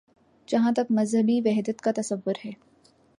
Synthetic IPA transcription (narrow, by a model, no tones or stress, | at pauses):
d͡ʒɐɦãt̪ɐkmɐzɦəbiʋɛɦd̪ət̪kat̪ɐsɐʋːʊɾɦɛː